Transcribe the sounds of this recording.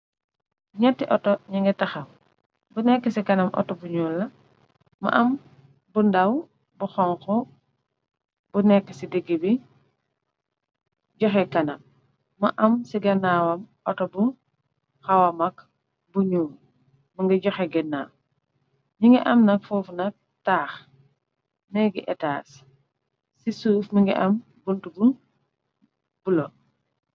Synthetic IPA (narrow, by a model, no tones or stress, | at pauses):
ɲɛtːiʔɔtɔɲiŋɡɛtɐxɐm | bunɛkːesikɐnɐmʔɔ̰tɔbuɲuːlːɐ | mɐ̰ʔɐm | bundɐw | buxɔŋxɔ | bunɛkːəsidiɡːibi | ɟɔxɛkɐnɐmː | ɐ̰ʔɐmsiɡɐnawɐmʔɔtɔbu | xɐwɐmɐk | buɲuː | mɐŋɡiɟɔxɛɡɛnːa̰ | ɲiŋɡiʔɐmnɐk̚fɔːfnɐk̚ | taːx | nɛɡiʔɛtaːs | sisuːfmiŋɡḭʔɐm | buntubun | bulɔ